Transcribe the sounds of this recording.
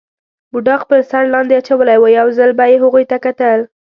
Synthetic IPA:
buɖɑqpəɾsaɾlɑnd̪eat͡ʃawəlajwəjawzəlbajeɦʊɣujt̪akat̪əl

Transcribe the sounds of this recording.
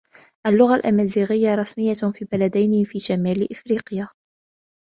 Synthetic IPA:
ʔalːʊɣalʔamaːziːɣɪjːaɾˤɑsmɪjːafiːbalad̪ajnɪfiːʃamaːlɪʔɪfɾiːqɪjaː

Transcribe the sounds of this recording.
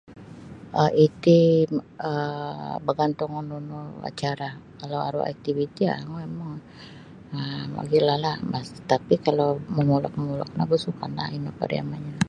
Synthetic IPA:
ʔəʔit̪i | əbəɡant̪ʊŋununua̰t͡ʃaɾakalawa̰ɾṵa̰k̚t̪ivit̪ia̰muemaŋ | əma̰ɡilahlabast̪apikalowməmulɔ̰k̚məmulɔ̰k̚nahbusukanla̰hinopa̰ɾja̰maɲa

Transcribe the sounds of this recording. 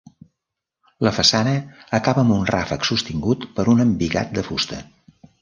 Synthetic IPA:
ləfəsanəːkaβəːmunra̰fəksust̪iŋɡut̪pəɾunəmbiɣa̰t̪̚d̪əfust̪ə

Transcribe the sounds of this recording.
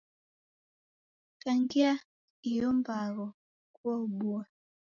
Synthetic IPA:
kaŋɡia | ijɔmbaɣɔ | kuauɓua

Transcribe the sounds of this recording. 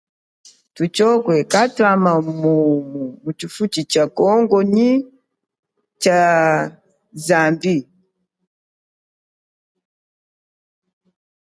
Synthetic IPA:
tut͡ʃɔkwɛkatwamamumumut͡ʃifutit͡ʃakɔŋɡɔɲi | t͡ʃa | zambi

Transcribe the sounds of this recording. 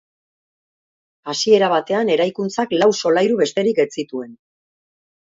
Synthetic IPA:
asie̞ɾaβ̞at̪e̞ane̞ɾajkunt͡saklawso̞lajɾuβe̞st̪e̞ɾiket͡sit̪ue̞n

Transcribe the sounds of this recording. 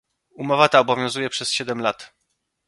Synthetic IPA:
umɔvat̪aɔbɔvʲjɔ̃w̃zujɛpʂɛsɕɛd̪ɛmlat̪

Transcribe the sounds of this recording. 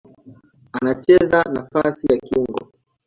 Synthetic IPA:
anat͡ʃɛzanafasijakiŋɡɔ̰

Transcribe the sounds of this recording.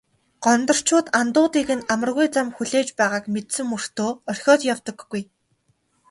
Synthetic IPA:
ɢ̥ɔnt̪ɞ̆r̥t͡ɕʰʊːt̪ant̪ʊːt̪iːɣɘ̆namə̆rɣujt͡samxuɮeːt͡ɕpæːʁaːkmet̪sɘ̆mːur̥t̪oːœrʲxʲɔːt̪jawt̪ɞ̆ɡːuj

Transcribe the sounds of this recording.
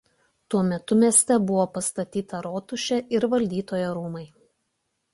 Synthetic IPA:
t̪uɔmʲɛt̪ʊmʲiɛsʲt̪ʲɛbʊʋoːpɐst̪ɐt̪ʲiːt̪ɐɾoːt̪ʊʃʲɛʔɪɾʋɐlʲd̪ʲiːt̪oːjoɾuːmɐɪ

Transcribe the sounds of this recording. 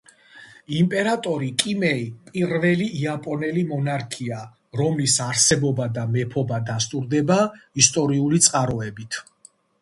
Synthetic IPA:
impʼɛɾat̪ʼɔɾikʼimɛipʼiɾvɛliiapʼɔnɛlimɔnaɾkʰia | ɾɔmlisaɾsɛbɔbad̪amɛpʰɔbad̪ast̪ʼuɾd̪ɛbaist̪ʼɔɾiulit̪sʼqʼaɾɔɛbit̪ʰ

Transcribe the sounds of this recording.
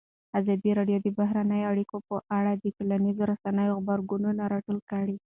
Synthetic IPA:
azɑd̪iɾɑɖjod̪əbaɦɾanəjoaɽikopəʔaɽad̪əʈolanizoɾasanəjoɣbaɾɡununaɾɑʈulkəɽi

